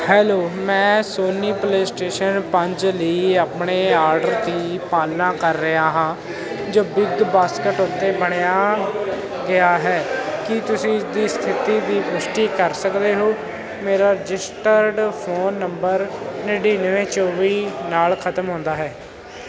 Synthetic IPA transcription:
hɛːloːmɛ̃ːsoːniːpleːsʈeːʃənpəɲd͡ʒləiːaːpɳeːaːɾɖəɾt̪iːpaːlnãːkəɾːəɦaːɦãː | d͡ʒoːbɪd̪baːskəʈʊt̪ːeːbəɽ̃ejaː | ɡɪaːɦɛːkɪt̪ʊsĩːd̪iːst̪ʰɪt̪iːd̪iːpʊʃʈiːkəɾsəkd̪eːɦoː | meːɾaːɾɪd͡ʒɪsʈəɾɖpʰoːnːəmbəɾnəɖiːnəʋẽːt͡ʃoːʋiːnaːlkʰət̪əmɦõːnd̪aːɦɛː

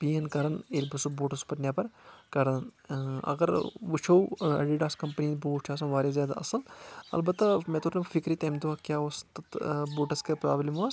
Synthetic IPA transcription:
piːɐnkɐɾɐnelʲbɐsuboːʈɐspɐɾnʲjaːpɐɾkɐɾɐnɐ̰ɡɐɾʋut͡ʃʰowɐ̰ɖiɖaːskɐmpəninboːt͡ʃʰaːs̬ɐ̃nʋaːɾezjaːd̪a̰ʔɐ̰sɐlɐ̰lbɐt̪ːamɛ̃ːt̪oːɾnɐ̃fʰikɾiːt̪ɐːmd̪uaːkʲjaːʋost̪ɐt̪boːʈɐskepɾa̰ːblimaːs

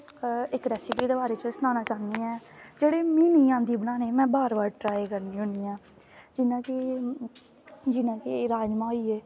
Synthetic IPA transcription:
ɪkɾɛːsɪpiːd̪eːbaːɾeːt͡ʃəsnaːnaːt͡ʃaːnd̪iːɛːd͡ʒeːɽeːmiːniːãːnd̪iːbənaːneːmɛ̃ːbaːɾbaːɾʈɾaːekəɾniːɦʊ̃niːãː | d͡ʒɪnãːkɪ | d͡ʒɪnãːkeɾaːd͡ʒmãːoiːeː

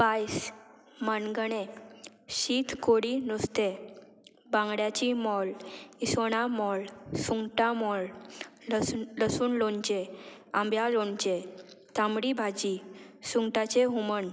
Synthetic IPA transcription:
pajs | manɡəɳe | ɕit̪ʰkoɽinust̪e | bãŋɡɽjat͡ɕimɔlisoɽ̃amɔlsuŋɡʈamɔl | ləsuːnlont͡ɕeãmbjalont͡ɕe | t̪ãmɽibʱad͡ʑisuŋɡʈat͡ɕeɦumən

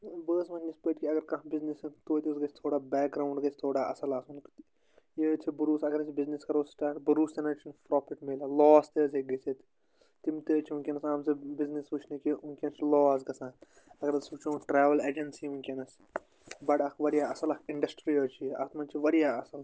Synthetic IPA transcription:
bəːsmɐnispəːʈkiɐɡɐɾkɐ̃ɦbiznisɐt̪oːt̪ʲisɡɐt͡ʃʰt̪ʰoːɽaːbɛːk̚ɡɾaːuɳɖɡɐt͡ʃʰʲt̪ʰoːɽaːʔɐ̰sɐlaːsunk̪ | jet͡ʃʰibuɾuːsɐɡɐɾt͡ʃʰibizniskɐɾoːsʈaːʈbɐɾuːst̪ɐnɐt͡ʃʰinpɾɔːpʰiʈmelalɔːst̪eːzeɡɐt͡ʃʰet̪ | t̪imt̪eːt͡ʃʰiũnkʲinɐsaːmsɨbiznisʋut͡ʃʰnikiunkʲiɐnt͡ʃʰlɔːsɡɐsãː | ɐɡɐɾɐsut͡ʃʰõːʈɾɛːʋɐleːd͡ʒɐnsiunkʲenɐs | bɐʈɐkʰʋɐɾijaːɐsɐlɐkʰɪɳɖɐsʈɾiɐt͡ʃʰiɐ̰t̪mɐnt͡ʃʰiʋɐɾijaːɐsɐl

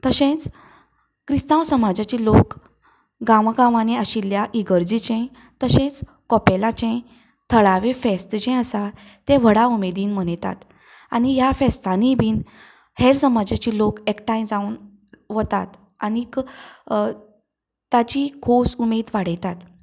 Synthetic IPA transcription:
t̪əɕẽt͡s | kɾist̪ãʋsəmad͡ʑat͡ɕiːlok | ɡaʋaɡãʋaneaɕiljaʔiɡəɾd͡ʑit͡ɕɛ̃ | t̪əɕẽt͡s | kɔpelat͡ɕɛ̃ | t̪ʰəɭaʋẽfest̪d͡ʑɛ̃əsa | t̪ẽʋ̤əɽaumed̪iːnmənjt̪a̰t̪ | anijafɛst̪anibiːn | heɾsəmad͡ʑat͡ɕiːlokekʈajnd͡zaun | ʋət̪at̪ | anik | t̪at͡ɕikʰosumed̪ʋaɽ̤əjt̪at̪

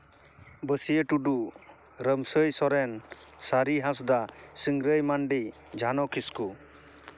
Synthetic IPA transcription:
bəsiəʈuɖu | ɾəmsəjsɔɾɛnsaɾiɦãsd̪asiŋɡɾəjmanɖi | d͡ʒʱanɔkʰisku

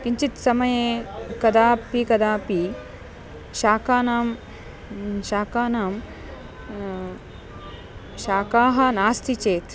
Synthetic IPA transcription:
kiɲt͡ʃit̪sɐmɐjeːkɐd̪aːpikɐd̪aːpi | ʃaːkaːnaːm | ʃaːkaːnaːm | ʃaːkaːɦɐ̆naːst̪ʰit͡ʃeːt̪

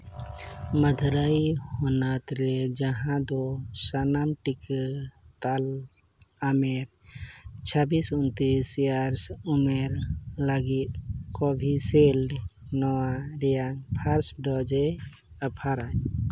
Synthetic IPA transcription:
məd̪ʱɾajhɔnat̪ɾed͡ʒəɦãd̪ɔsanamʈikt̪al | ameɾ | t͡ʃʰəbisunt̪isjaɾsumeɾlaɡit̪̚kɔbʱisel | nɔwaɾijaŋpʰaɾsɖɔd͡ʒe | əpʰaɾaɲ

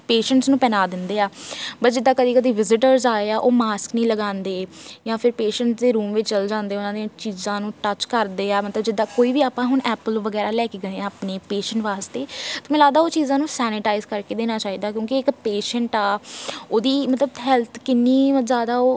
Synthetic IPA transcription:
peːʃəɳʈsnũːpɛːnaːd̪ɪnd̪eːaːbəsd͡ʒɪd̪ːaːkəd̪iːkəd̪iːʋɪzɪʈəɾzaːeːaːʔoːmaːsknəĩːləɡãːnd̪eːjãːpʰɪɾpeːʃəɳʈsd̪eːɾuːmʋɪt͡ʃt͡ʃəld͡ʒãːnd̪eːʊnãːd̪ẽt͡ʃiːzãːnũːʈət͡ʃkəɾd̪eːaːmət̪ləbd͡ʒɪd̪ːãːkoːiːʋiːaːpãːɦʊɳɛːpəlʋəɡɛːɾaːlɛːkeːɡəẽːãːəpneːpeːʃəɳʈʋaːst̪eːt̪ʊmɪ̃laːd̪aːoːt͡ʃiːzãːnũːsɛːnɪʈaːizkəɾkeːd̪eːnaːt͡ʃaːiːd̪aːkjõːkiɪkpeːʃəɳʈaːoːd̪iːmət̪ləbɦɛlt̪ʰkɪnːiːzjaːd̪aːoː

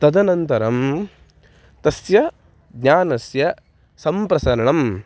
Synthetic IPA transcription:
t̪ɐd̪ɐnɐnt̪ɐɾɐm | t̪ɐsjɐ | ɡɲaːnɐsjɐ | sɐmpɾɐsɐɾɐɳɐm

